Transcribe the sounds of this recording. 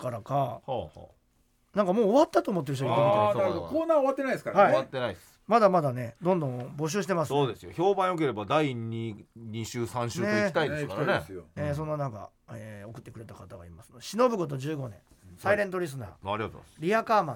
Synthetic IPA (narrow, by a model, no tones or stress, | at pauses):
kaɾaka̰ | nãŋkamoːβat̪ːat̪o̞ːmot̪ːe̞ɾɯooookoːnaːoat̪ːeaid̪esɨ̥kaɾhaiat̪ːenais | mad̪amad̪ane̞d̪õ̞nd̪õbo̞ɕ̬ɨːɕi̥t̪e̞masoːd̪e̞sɨjoço̞ːbãɰ̃jok̬e̞ɾe̞bad̪aiiɲiɕɨːsãɕɨːneit̪aid̪eska̰ɾnesoeːs̬õ̞nːanãŋka̰ | eo̞kɯ̟t̪ːekɯ̟ɾe̞t̪akat̪aɡaimasɨ̥nod̪e̞ɕino̞bɯ̟ɡo̞t̪̬o̞d͡ʑɨːɡo̞nẽ̞̰ | saiɾẽ̞nt̪̬o̞ɾʲis̬ɨna̰ːaɾʲiɡat̪o̰ɾʲiakaːmã